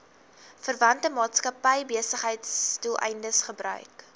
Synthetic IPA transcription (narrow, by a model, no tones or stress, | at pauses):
fərvɐntəmɑːtskɐpəjbiəsəχɦəjtstulˠʔɛ̰jndəsχəbɾœ̰ɥk